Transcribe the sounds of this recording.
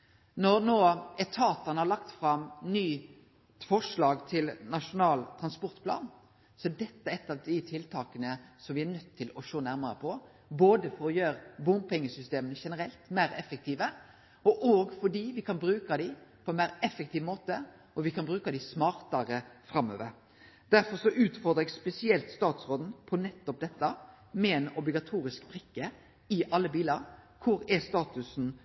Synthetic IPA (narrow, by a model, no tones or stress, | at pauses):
nɔɾnoːɛt̪ʰɑːt̪ɑnəhɑɭlɑkt̪fɾɑmnyː | fɔʂɭɑːɡt̪ʰɪlnɑʂʊnɑːlt̪ʰɾɑnspɔɾt̪pʰlɑ̰ːn | sɔɛd̪ɛt̪ːəɛt̪ːɑʋd̪ɪt̪ʰɪlt̪ʰɑːkənəsɔmʋɪæɾnœt̪ʰːɪlɔʂoːnæɾməɾəpʰɔ | boːd̪əfɔɾɔjøːɾbʊmpʰɛŋːəsʏst̪eːmənəʂɛnəɾɛlt̪mæɪɾɛfɛk̚t̪iːʋə | ɔʔoːɡfɔɖiːʋɪkʰɑnbɾʉːkɑd̪ɪpʰɔɛnmæɪɾɛfːɛk̚t̪iːʋmoːt̪ə | ɔʋɪkʰɑnbɾʉːkɑd̪ɪsmɑːɾt̪ɑɾəfɾɑmːø̰ːʋəɾ | d̪̥æɾfɔɾsɔʔʉːt̪fɔɾd̪ʁɛɡspɛsɪɛlt̪st̪ɑːt̪sɾoːd̪n̩pʰɔnɛt̪ːɔp̚d̪ɛt̪ːɑ | mɛɛnɔblɪɡɑt̪ʰuːɾɪskbʁɪkːə | ɪʔɑlːəbiːlɑɾkʰʊɾɛst̪ɑːt̪ʉsn̩